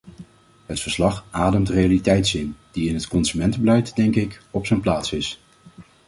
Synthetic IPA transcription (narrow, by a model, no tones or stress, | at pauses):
ɦətfəɹslɑχʔaːdəmtrejalitɛjtsɪnd̥iɪnɦətkɔnzymɛntəbəlɛjtdɛŋkɪkɔpsənplaːtsɪs